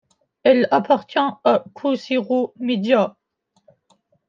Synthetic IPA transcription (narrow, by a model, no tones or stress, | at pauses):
ɛlapaʁt̪jɛ̃akʰusiʁomed̪ja